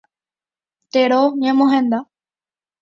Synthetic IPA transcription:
t̪eɽoɲə̃mõɦẽnd̪a

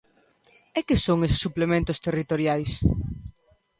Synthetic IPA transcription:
ɛkɪsoŋesɪ̥sːuplemẽnt̪ʊst̪erit̪oɾjajs

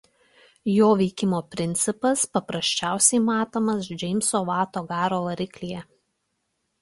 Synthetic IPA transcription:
joːʋʲɛɪkʲɪmoːpʲɾʲɪnʲt̪sʲɪpɐspɐpɾɐsʲt͡ʃʲæˑʊsʲɛɪmɑːt̪oːmɐsd͡ʒʲɛɪmʲsoːʋɑːt̪oːɡɑːɾoːʋɐɾʲɪklʲijɛ

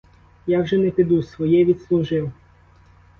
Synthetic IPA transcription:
jawʒɛnɛpɪd̪usʲʋɔjɛʋʲit̪slˠuʒɪw

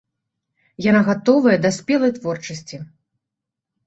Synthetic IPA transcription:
janaɣat̪ɔvɐjɐd̪ɐsʲpʲɛlˠɐjt̪vɔrt͡ʂɐsʲt͡sʲi

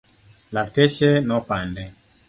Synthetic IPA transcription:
latɛʃɛnɔpandɛ

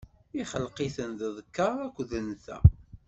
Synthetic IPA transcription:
iχəlqiθənðəðˤkːɑɾˤækʷːðənθæ̰

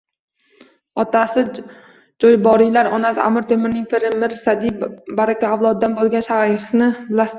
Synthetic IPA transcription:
ɒt̪asɪ | d͡ʒɒjbɒɾilaɾɒnasa̰mɪɾt̪ʰemɪɾnɪŋpʰɪɾɪmɪɾsad̪ibaɾakʲʰaːwlˠɒd̪̚ːanbolˠɡʲanʃajχnɪlas

